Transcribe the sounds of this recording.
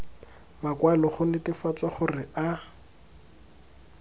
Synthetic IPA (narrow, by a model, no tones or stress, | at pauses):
makwalɔχʊnɪtɪfat͡sʼwaχʊrɪʔa